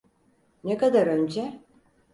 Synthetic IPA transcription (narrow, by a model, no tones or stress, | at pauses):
nekad̪aɾø̞nd͡ʒɛ